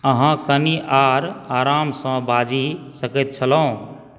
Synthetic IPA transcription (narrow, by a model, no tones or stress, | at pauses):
əɦãkəniʔaɾaɾamsə̃bad͡ʒisəkɛt̪̚t͡ʃʰələũ